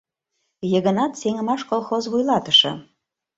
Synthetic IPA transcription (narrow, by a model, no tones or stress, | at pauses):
jəɣə̆nɑt̪seŋə̆mɑʃkolˠxozβujlˠɑt̪ə̥ʃɤ̰̆